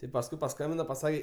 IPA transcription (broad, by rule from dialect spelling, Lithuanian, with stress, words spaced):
tʲɪ pɐsˈkʊɪ pɐˈskɐmʲbʲɪnɐ pɐˈsɑːkʲɛ